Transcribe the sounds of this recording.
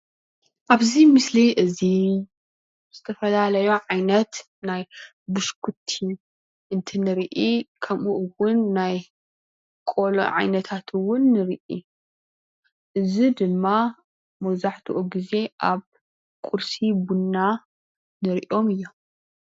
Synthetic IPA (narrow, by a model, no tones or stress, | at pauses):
ʔaβzimɨsliʔɨzi | z̥ɨt̪ʰɐfɐlalɐjoʕajnɐt̪ | naj | bɨʃkʰut̪ʰi | ʔɨnt̪ʰinɨɾʔikʰɐmʔuʔɨwʊnːaj | kʼolo̰ʕa̰jnɐt̪ʰat̪ʰɨwʊnːɨɾiʔḭ | ʔɨzid̪ɨmːa | mɐwzaħt̪ʰuʔuɡize̞ʔaβ | kʼuɾsibunːa | nɨɾʔio̞mɨjːom